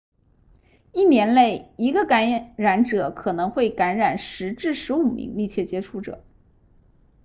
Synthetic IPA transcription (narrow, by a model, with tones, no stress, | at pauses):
i˥˩njɛ˧˥nle˥˩ɪi˧˥ɡə˧ka˧˥ɻa˧˥nʈ͡ʂɤ˨˩˦kʰɤ˨˩nɤ˧˥ŋxwe˥˩ɪka˧˥nɻa˨˩nʂɻ̩˧˥ʈ͡ʂɻ̩˥˩ʂɻ̩˧˥u˨˩mḭ˧˥ŋmi˥˧t͡ɕʰjɛ˥˩t͡ɕjɛ˥ʈ͡ʂʰu˧˥ʈ͡ʂɤ̰˨˩˦